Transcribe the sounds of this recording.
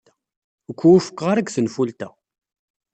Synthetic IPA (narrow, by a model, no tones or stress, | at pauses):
əkʷːuwufə̥kːʁaɾˤækʷθənfult̪æ